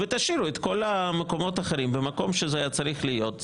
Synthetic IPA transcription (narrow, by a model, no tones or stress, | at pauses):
vet̪aʃiɾuet̪ko̞lameko̞mo̞t̪aχeɾimbemako̞mʃezeajat͡saʁiχlijo̞t̪